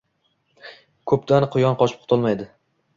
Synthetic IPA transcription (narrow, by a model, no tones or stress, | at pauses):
kʰɵpt̪ʰanqʰʊjɒnqʰɒt͡ʃʰɪ̥p̚ʰʊ̥t̪ʰʊlˠmajd̪ɪ